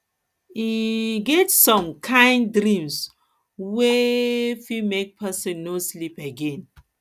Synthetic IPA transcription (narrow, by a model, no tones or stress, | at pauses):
iɡɛtsɔ̃mkʰãɪ̃ndɾĩms | wefimek̚pʰɛsɛ̃nːoslipeɡẽn